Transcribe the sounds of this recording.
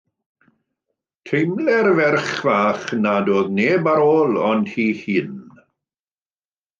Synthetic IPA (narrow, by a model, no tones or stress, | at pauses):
tʰejmlɛrvɛrχvaːχnadoːðneːbaɾoːlˠɔnd̥hiːhiːn